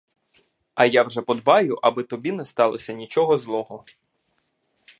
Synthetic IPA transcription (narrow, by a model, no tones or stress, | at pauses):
ɐjawʒɛpɔd̪bɑjʊʔɐbɪt̪ɔbʲinɛst̪ɑlˠɔsʲɐnʲit͡ʃɔɦɔzlˠɔɦɔ